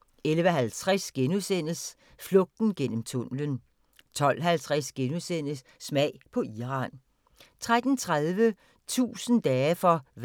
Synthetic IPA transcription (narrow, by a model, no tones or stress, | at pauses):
elʋəɦælt͡sʰʁasɡ̥enuðˠsen̰əs | flɔ̽ɡ̥̚d̥n̩ɡ̥en̰m̩t͡sʰɔ̽mlən | t͡sʰɒ̽l̰ɦælt͡sʰʁasɡ̥enusen̰əsːmɛɪ̰pʰɒ̽iʁɑ̈n | t͡sʰʁad̥n̩t͡sʰʁaðˠʋə | t͡sʰṵːsən̩d̥ɛːfɒ̽